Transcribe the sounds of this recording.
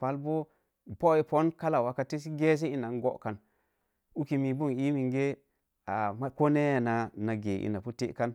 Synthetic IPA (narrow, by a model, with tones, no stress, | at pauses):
pa˦lbo˦ | bo˦i˨po˦nka˦la˨wa˨ka˦ti˦s̬i˦ɡe˦s̬e˦i˦na˨n˦ɡo̰˦ʔka˨n | u˦ki˨mi˨bu˦˨ŋi˦mi˨ŋɡe˦ | a̰˨ma˦ko˦ne˦ja˨na˨na˨ɡe˨ʔḭ˨na˨pu˦tḛ˦ʔka˦n